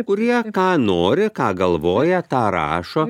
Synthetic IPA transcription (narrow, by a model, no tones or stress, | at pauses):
kʊɾʲiɛkɑːnoːɾʲɪkɑːɡɐlˠʋoːjɛt̪ɑːɾɑ̰ːʃoː